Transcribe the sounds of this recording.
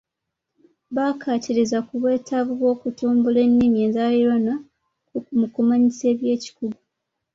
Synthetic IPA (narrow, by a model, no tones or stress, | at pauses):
βakʰatiɾizakuβwe̞ːtʰaβuβwo̞ːkutuːmbule̞nːimjeːnzaliɾwana | kukumukumaɲise̞ːβje̞ːci̥kuɡu